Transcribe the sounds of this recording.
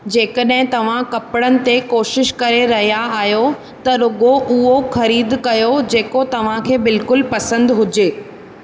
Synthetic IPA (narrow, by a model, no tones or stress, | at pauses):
d͡ʑeːkəɗɦɪ̃t̪ɐʋ̤ãkɐpɪɽənɪ̆t̪ekoːʃɪʃkɐɾeɾɐɦijaaːɦjo | t̪ɐɾʊɡoʔʊɦoxɐɾiːd̪kɐjod͡ʑeːkot̪ɐʋ̤ãkʰeːbɪlkʊlpɐsə̃nd̪ɦʊd͡ʑeː